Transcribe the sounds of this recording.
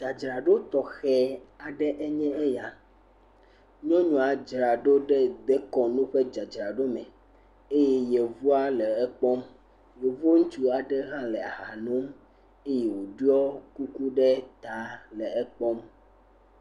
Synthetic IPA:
d͡ʒa˨d͡ʒɾa˨ɖo˦t̪ɔ˨xɛ˦a˨ɖɛ˦ʔɛ˦ɲɛ̃˦ɛ˦ja˨ | ɲɔ̃˦ɲũ˨a˨d͡ʒɾa˨ɖo˦ɖɛ˦d̪ɛ˦kɔ˨nũ˦ɸe˦d͡ʒa˨d͡ʒɾa˨ɖo˦mɛ̃˨ | e˦jɛ˦je˨vu˦a˦lɛ˨ɛ˦k͡pɔ˦m | je˨vo˦ŋu˦t͡ʃu˦a˨ɖɛ˦ɦã˦lɛ˨a̰˨ɦa˨nũ˦m | e˦jɛ˨wo˨ɖu˦ɔ˦ku˦ku˦ɖɛ˦t̪a˨˦lɛ˨ɛ˦k͡pɔ˦m

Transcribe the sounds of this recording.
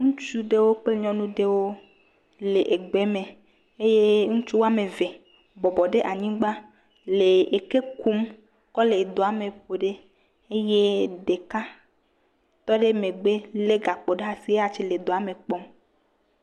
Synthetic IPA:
ŋũ˦t͡ʃu˦ɖe˦wo˦k͡pe˦ɲɔ̃˦nũ˦ɖe˦wo˦ | le˨ʔe˨ɡ͡be˨˦me˨ | e˦je˦ŋũ˦t͡ʃu˦wo˦a˦me˨ve˨ | bɔ˨bɔ˨ɖe˦ʔa˨ɲĩ˦ɡ͡ba˦ | le˨e˨ke˦ku˦m | kɔ˦le˨d̪o˨a˨me˨ɸo˨ɖe˦ | e˦je˦ɖe˨ka˦ | t̪ɔ˦ɖe˦me˨ɡ͡be˦le˦ɡa˨k͡po˨ɖe˦a˦si˦e˦a˨t͡ʃe˦le˨d̪o˨a˨me˨k͡pɔ˦m

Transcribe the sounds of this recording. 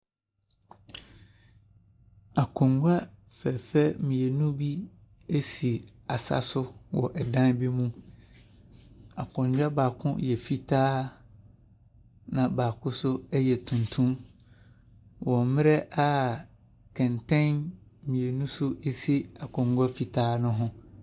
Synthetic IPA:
a˨kʰɔ̃˨ŋɡʷa˦ | fɛ˨fɛ˦mĩ˨e˨nũ˦bi˦ | e˦si˨a˨sa̰˦sʊ˦wɔ̰˨ʔɛ˨dã˦n˦bi˦mũ˦ | a˨kʰʊ̃˨ɲ˦d͡ʑᶣa˦baː˨kʰʊ̰̃˦jɛ˨fi˦tʰaː˦ | nã˨baː˨kʰʊ̃˦sʊ˦ɛ˦jɛ˨tʰũ˨ntʰũ˦m | wɔ̃˨mmɪ̃˦ɾɛ˦ʔa˦ | kʰɛ̃˨ntʰɛ̃˦nmĩ˨e˨nũ˦sʊ˦e˦si˦a˨kʰʊ̃˨ŋɡʷa˦fi˨tʰaː˦nʊ̃˦ɦʊ̃˦

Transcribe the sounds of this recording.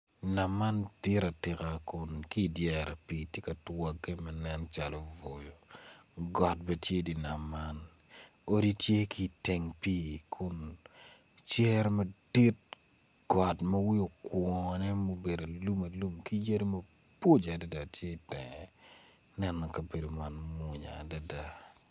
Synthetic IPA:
na˨mːa˦ntɪ˦ɾa˨tɪ˨ka˨kʊ˨nki˦˨djɛ˨ɾa˨pi˨tje˦kɐ˨twa˨ɡɛ˦mɐ˨nɛ˦nt͡ʃa˨lɔ˨vo˨jo˨ | ɡɔ˨t̚bɛ˦tje˦di˨na˨mːa˦n | o˦di˦tje˦ki˨te˨ŋpi˦kʰʊ˦n | t͡ʃɛ˦ɾmɐ˦d̥i˦t̚ | ɡ̥ɔ˨tmɐ˦wi˦o˨kwɔ˨nɛ˦mo˦be˨do˨lu˦mɐ˨lu˦mki˦je˦ɾo˦mɐ | po˦d͡ʒa˨da˦da˨tje˦˨tɛ̰˨ŋɛ | nɛ˦nɔ˨kɐ˨be˨do˨ma˨nmu˨ɲa̰˨da˨da˦

